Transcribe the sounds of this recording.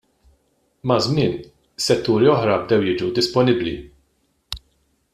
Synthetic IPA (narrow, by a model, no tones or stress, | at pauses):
mɐzmɪːn | sɛt̪ːuːɾiɔħɾɐbd̪ɛwjɪːd͡ʒud̪ɪspɔnɪblḭ